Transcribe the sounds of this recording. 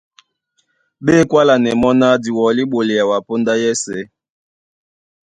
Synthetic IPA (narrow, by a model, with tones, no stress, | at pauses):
ɓe˦˨kwa˦la˨nɛ˨mɔ˦na˦di˨wɔ˨li˦ɓo˨le˨ja˨wa˨po˦nda˦jɛ˦sɛ˦